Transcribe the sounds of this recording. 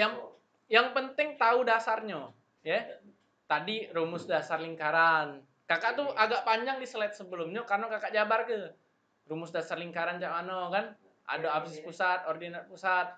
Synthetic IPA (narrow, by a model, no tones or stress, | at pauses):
jaŋ | jaŋpənt̪ɪŋt̪audasarɲo | jɛ | t̪adirumʊsdasarliŋkaɾan | kakaʔt̪uaɡaʔpaɲd͡ʒaŋdisəlɛt̪̚səbəlʊmɲakarnakakaʔd͡ʒabarkə | rumʊsdasarliŋkaɾand͡ʒamanokan | ʔa̰doapsɪspusat̪̚ordinarpusat̪̚